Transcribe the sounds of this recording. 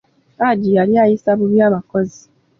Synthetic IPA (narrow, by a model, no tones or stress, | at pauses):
ad͡ʒijaɾjajisabʊbjamakɔzi